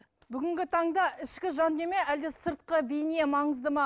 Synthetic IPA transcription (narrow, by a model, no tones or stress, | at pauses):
bʏɡʲɪŋɡʲɪt̪ʰɑɴd̪ɑʔɪʃkʲɪʒɑnd̪e̞me̞ʔæld̪esəɾt̪̚qəbijne̞mɑɴəzd̪əmɑ